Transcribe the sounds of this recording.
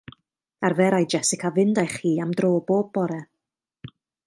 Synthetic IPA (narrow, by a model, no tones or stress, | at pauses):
arvɛɾajd͡ʒɛsɪkʰavɪndajχiːamdroːboːb̚bɔɾɛ